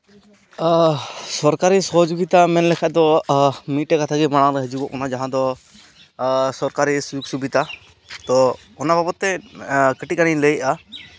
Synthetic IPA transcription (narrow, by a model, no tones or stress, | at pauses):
sɔɾkaɾisɔɦd͡ʒoɡit̪amɛnlɛkʰad̪ɔmiʈɛkat̪ʰaɡɛmaɽ̃aɾɛɦəd͡ʒubɔʔɔnad͡ʒaɦãd̪ɔ | sɔɾkaɾisujuk̚subit̪a | t̪ɔ | ɔnabʱabɔt̪ːɛkəʈikaniləjʔa